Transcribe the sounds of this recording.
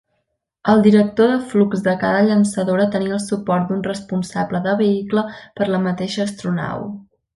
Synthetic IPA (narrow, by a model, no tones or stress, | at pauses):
əlˠd̪iɾək̚t̪oðəflukzðəkaðəʎənsəðoɾət̪əniəlˠsupɔɾt̪̚d̪unrəspunsabləðəβ̞əikləpəɾləmət̪eʃəːst̪ɾuna̰w